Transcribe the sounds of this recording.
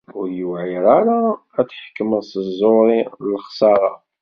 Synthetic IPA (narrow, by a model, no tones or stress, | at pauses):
ʊɾjəwʕiɾˤaɾa | æt͡sːħə̥kːmənsəzˤoɾˤiləχsɑɾˤɑ̰